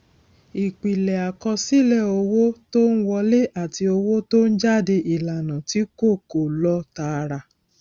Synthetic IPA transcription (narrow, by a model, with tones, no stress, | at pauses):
i˨k͡pi˨lɛ˨a˨kɔ˧si˦˨lɛ˦˨o˧wo˦to˦ñ̩˦wɔ˧le˦ʔa˦˨ti˧o˧wo˦to˦n̩˦d͡ʒa˦˨de˧ʔi˨la˨nã˨ti˨˦ko˦˨ko˨lɔ˧˦ta˧˦˧ɾa˧